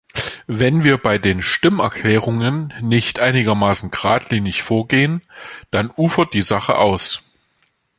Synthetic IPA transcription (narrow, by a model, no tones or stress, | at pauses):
vɛnviːɐbaɪdeːnʃtɪmɛ̰ɐkʰl̥ɛːʁ̞ʊŋənːɪçtʔaɪnɪɡɐmaːsn̩ɡʁaːtʰliːnɪçfoːɐɡeːənd̥anʔuːfɐt̚d̥iːzaχə̰ʔaʊs